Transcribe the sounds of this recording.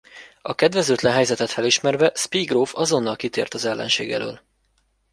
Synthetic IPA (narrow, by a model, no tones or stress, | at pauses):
ɒkɛd̪vɛzøːt̪lɛnɦɛjzɛt̪ɛt̪fɛliʃmɛrvɛspiɡroːfɒzo̞nːɒlkit̪ḛːrt̪ɒzɛlːɛ̰nʃḛːɡɛ̰lø̰ːl